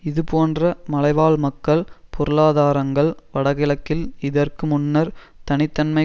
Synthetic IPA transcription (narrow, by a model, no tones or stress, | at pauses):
ɪðɯpoːndrɐmɐlɐɪʋaːlmɐkːɐɭpʰɔɾɯlaːðaːɾɐŋɡɐɭʋɐɽɐɣɪlɐkːɪlɪðɐrkɯmʊnːɐɾ | t̪ɐnɪt̪ːɐnmɐɪ